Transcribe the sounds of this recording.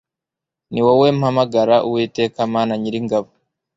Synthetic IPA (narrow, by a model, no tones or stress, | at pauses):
niwowem̩hamaɡaɾaʔuwiːte̞ːkamaːnaɲiɾiŋɡaβo